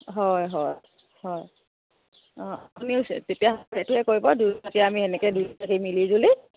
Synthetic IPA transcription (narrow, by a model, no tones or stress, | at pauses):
ɦɔjɦɔ | hɔj | ɔ̃apuniʊstetiaatɛtuɛkoɹibɔduatijaamiɛnɛkɛdutakimilizuli